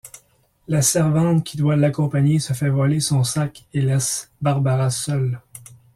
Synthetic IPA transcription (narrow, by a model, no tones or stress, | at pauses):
lasɛʁvɑ̃t̪kʲʰid̪walakɔ̃paɲesəfɛvɔlesɔ̃sakelɛsbaʁbaʁasœl